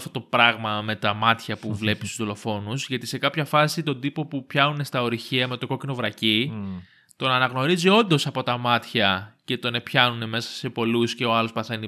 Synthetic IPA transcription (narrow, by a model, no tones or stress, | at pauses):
ft̪ot̪o̞pɾɐɣmɐme̞t̪ɐmɐt̪çɐpuvle̞pist̪uzðolo̞fo̞nuzʝɐt̪ise̞kɐpçɐfɐsit̪o̞nd̪ipo̞pupçɐnune̞st̪ɐo̞ɾiçiɐme̞t̪oko̞cino̞vɾɐci | t̪o̞nɐnɐɣno̞ɾizio̞nd̪o̞sɐpo̞t̪ɐmɐt̪çɐce̞t̪o̞ne̞pçɐnune̞me̞sɐ̥se̞po̞lusce̞o̞ɐlo̞spɐθe̞ni